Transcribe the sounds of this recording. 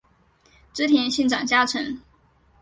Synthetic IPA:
ʈ͡ʂ̩˥t̪ʰjɛ˧˥nɕi˥˩nʈ͡ʂɑ̰˨˩ŋt͡ɕja˥ʈ͡ʂʰɤ˧˥˦ŋ

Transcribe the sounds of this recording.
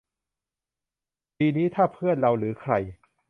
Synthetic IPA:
piː˧niː˦˥t̪ʰaː˥˩pʰɯ˥˩ənɾa˧wɾɯː˩˦kʰɾa˧j

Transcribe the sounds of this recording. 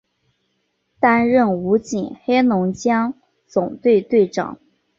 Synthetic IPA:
t̪a˥nɻə˥˩nu˧˥t͡ɕi˨˩nxe˥ɪnʊ˧˥ŋt͡ɕjɑ˥ŋ | t͡sʊ˨˩ŋt̪we˥˧ɪt̪we˥˩ɪʈ͡ʂɑ̰˨˩˦ŋ

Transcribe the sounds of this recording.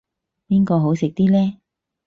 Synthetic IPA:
piː˥nkɔː˧ɦo˨˥wsɪ˨k̚t̪iː˥lɛː˥

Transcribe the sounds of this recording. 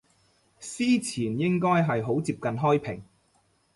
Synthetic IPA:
siː˥t͡sʰiː˨˩njɪ˥ŋkɔː˥jɦɐ˨jɦo˨˥wt͡siː˧p̚kɐ˨nɦɔː˥jpʰɪ˨˩ŋ

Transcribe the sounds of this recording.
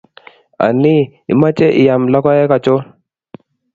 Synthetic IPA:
a̰˨nɪ˦ɪ̰˨ma˦t͡ʃɛ˦ʔɪ̰˨ja˨mlɔ˦kɔ˦jɛ˦ka˨t͡ʃʊ˦

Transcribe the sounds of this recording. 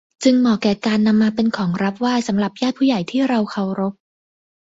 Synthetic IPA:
t͡ɕɯ˧ŋmɔː˨˩kːɛː˨˩kaː˧nːa˧mːaː˧pe˧nkʰɔː˩˦ŋɾa˦˥p̚waː˥˩jsa˩˦mɾa˨˩p̚jaː˥˩t̪̚pʰuː˥˩ja˨˩jt̪ʰiː˥˩ɾa˧wkʰa˨˩wɾo˦˥p̚

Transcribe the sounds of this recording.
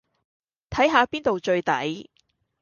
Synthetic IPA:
t̪ʰɐ˨˥jɦaː˨˧piː˥nt̪o˨wt͡ʃɵ˧ɥt̪ɐ̰˨˥j

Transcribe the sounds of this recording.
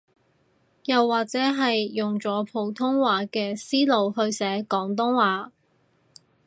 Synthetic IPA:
jɐ˨wːaː˨k̚t͡sɛː˨˥ɦɐ˨jːʊ˨ŋt͡sɔː˨˥pʰo˨˧wt̪ʰʊ˥ŋwaː˨˥kɛː˧siː˥lo˨˧whɵ˧ɥsɛː˨˥kɔː˨˥ŋt̪̬ʊ˥ŋwaː˨˧˥

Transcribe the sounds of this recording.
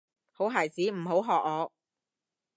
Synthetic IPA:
ho˨˥wɦaː˨˩jt͡siː˨˥m̩˨˩ɦo˨˥wɦɔː˨k̚ŋɔː˨˧

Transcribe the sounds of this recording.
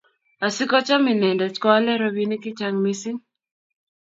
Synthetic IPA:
a˨sɪ˦kɔ˦t͡ʃɔ˦mɪ˨nɛ˨ndɛ˨t͡ʃkɔ˦lɛ˦ɾɔ˦bi˦ni˦kɪ˦t͡ʃa˦ŋmi˦sɪ˦ŋ

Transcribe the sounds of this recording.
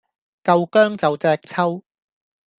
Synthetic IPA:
kɐ˧wkœː˥ŋt͡sɐ˨wt͡sœː˧˥k̚t͡sʰɐ˥w

